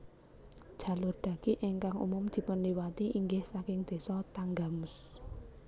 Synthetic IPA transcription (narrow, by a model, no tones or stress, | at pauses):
d̥ʒ̥ä̤lʊrd̪̥ä̤ɡ̥iʔɛŋkaŋṵmʊmd̪̥i̤pʊnliwat̪iʔiŋɡɪhsakɪŋd̪̥e̤sɔt̪aŋɡamʊs